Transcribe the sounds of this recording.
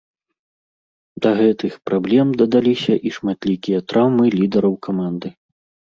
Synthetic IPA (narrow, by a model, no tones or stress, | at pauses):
d̪ɐɣɛt̪ɨxpɾablʲɛmd̪ɐd̪alʲisʲɐʔiʂmat̪lʲikʲijɐt̪ɾawmɨlʲid̪ɐɾɐwkʰamand̪ɨ